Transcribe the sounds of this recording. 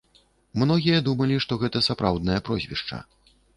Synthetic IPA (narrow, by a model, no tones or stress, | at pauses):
mnɔɣʲijɐd̪umɐlʲiʂt̪ɔɣɛt̪ɐsapɾawd̪̚nɐjɐpɾɔzʲvʲḭʂt͡ʂɐ̰